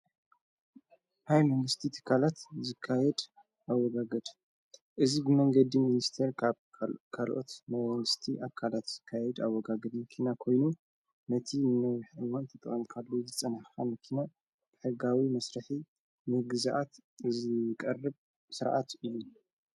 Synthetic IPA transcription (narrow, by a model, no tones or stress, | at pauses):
hajmɐnɨst̪ʰit̪ʰɨ̥kʰalat̪zɨkʰːajɛd̪ | ʔawɔɡaɡɐd̪ | ʔɨzibɨmɐŋɡɐd̪iminist̪ʰeɾʰβkʰalʔo̞̰t̪mamɐnɨst̪ʰiʔakʰalat̪z̥ɨkʰːajɛd̪awːɔɡaɡɐd̪mɐkʰinakʰo̞jnu | nɐt̪ʰinɐħɨwant̪ʰɐt̪ʼɨχʼɐmkʰalːozɨt͡sʼɐnaxxamɐkʰina | b̥ɨħɨɡawimɐsɾɐħi | nɨɡɨzʔat̪zɨkʼɐrːɨb | sɨɾʔa̰t̪ɨjːu